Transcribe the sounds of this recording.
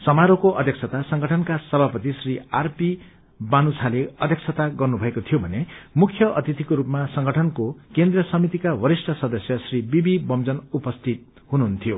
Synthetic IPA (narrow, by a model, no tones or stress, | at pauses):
sʌmaɾokoʔʌd̪ʱjʌkt͡sʰʌt̪asʌŋɡʱʌʈʰʌnkasʌbʱapʌt̪isriarpi | banut͡sʰaleʌd̪ʱjʌk̚t͡sʰʌt̪aɡʌrnubʱʌekot̪ʰijobʱʌnemukʰjʌʔʌt̪it̪ikoɾupmasʌŋɡʌʈʰʌnkokend̪rʌsʌmit̪ikawʌɾisʈʰʌsʌd̪ʌsjʌsribibibʌmd͡zʌnupʌst̪ʰit̪̚ | ɦunuɦunt̪ʰijo